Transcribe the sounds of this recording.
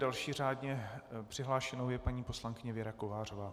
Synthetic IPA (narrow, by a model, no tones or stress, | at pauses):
dalʃiːr̝aːdɲɛpr̥ɪɦlaːʃɛnowjɛpaɲiːpo̞slaŋkɪɲɛvjɛɾako̞vaːrovaː